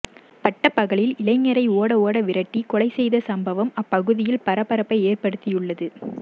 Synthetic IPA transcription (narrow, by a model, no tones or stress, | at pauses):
pɐʈːɐpɐɣɐɭɪlɪlɐɪŋːɐɾɐɪoːɽɐoːɽɐʋɪɾɐʈːikɔɭɐɪsɛjðɐsɐmbɐʋɐmɐpːɐɣɯðɪjɪlpɐɾɐpːɐɾɐpːɐɪeːrpɐɽɯt̪ːɪjɯɭːɐðɯ